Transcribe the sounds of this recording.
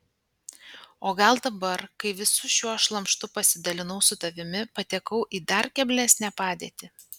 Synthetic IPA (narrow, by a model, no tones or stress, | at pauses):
oːɡɐlˠd̪ɐbɐɾkɐɪʋʲɪsʊʃʲuɔʃlˠɐmʃt̪ʊpɐsʲɪd̪ɐlʲɪnɐʊsʊt̪ɐʋʲɪmʲɪpɐt̪ʲɛkɐʊʔiːd̪ɐɾkʲɛbʲlʲæsʲnʲæpɑːd̪ʲiːt̪ʲɪ